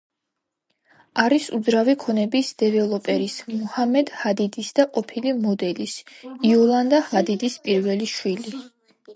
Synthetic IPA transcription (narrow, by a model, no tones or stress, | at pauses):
aɾisud̪zɾavikʰɔnɛbisd̪̥ɛvɛlˠɔpʼɛɾismuhamɛd̪̥had̪id̪isd̪̥aqʼɔpʰilimɔd̪ɛlisiɔlˠand̪ahad̪id̪ispʼiɾvɛliʃwili